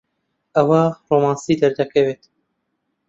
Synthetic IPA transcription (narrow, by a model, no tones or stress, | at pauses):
ɐwɑːɾomɑːnsiːd̪ɛɾd̪ɛkʰɛvet̪